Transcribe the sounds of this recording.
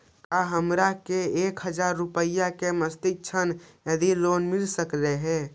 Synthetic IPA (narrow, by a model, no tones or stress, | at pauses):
kaɦəmɾakeekɦəd͡ʒaɾːupəjakeməst̪ik̚t͡ʃʰənjed̪ilonmilsəkleɦɛ